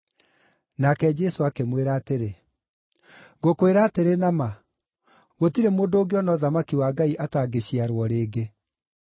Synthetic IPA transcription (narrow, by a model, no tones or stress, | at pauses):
nakɛd͡ʒɛsoakemweɾaːteɾe | ɣokweɾaːteɾenama | ɣotiɾemoːndoːɡeɔnɔðamakiwaːɡaiʔataɡeɕiaɾwɔɾeːɡe